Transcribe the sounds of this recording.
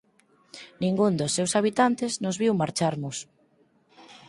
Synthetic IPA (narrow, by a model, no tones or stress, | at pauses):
nĩŋɡund̪osːewsaβit̪ant̪ɪznʊzβiwmaɾt͡ʃaɾnʊs